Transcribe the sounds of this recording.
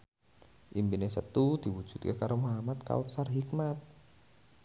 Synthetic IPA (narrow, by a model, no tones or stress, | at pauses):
ʔimbinesət̪ud̪̥i̤wud̥ʒ̥ṳ̥t̪̚kekaɾomoɦamat̪̚ka̰ut̪sarɦikmat̪̚